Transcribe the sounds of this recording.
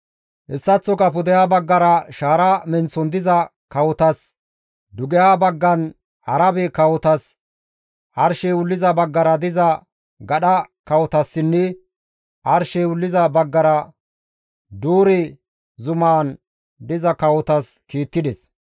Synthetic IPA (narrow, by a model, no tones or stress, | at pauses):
ʔɛsːɐt͡sːɔkɐpʊd̪ɛjaːbɐɡːɐɾɐʃaːɾɐmɛnt͡sːɔnd̪ɪzɐ | kɐwɔt̪ɐs | d̪ʊɡɛjaːbɐɡːɐn | ɐɾɐbɛkɐwɔt̪ɐs | ɐɾʃɛwʊlːɪzɐbɐɡːɐɾɐd̪ɪzɐ | ɡɐɗɐkɐwɔt̪ɐsːɪnːɛ | ʔɐɾʃɛwʊlːɪzɐbɐɡːɐɾɐ | d̪uːɾɛ | zʊmaːn | d̪ɪzɐkɐwɔt̪ɐskiːt̪ːɪd̪ɛs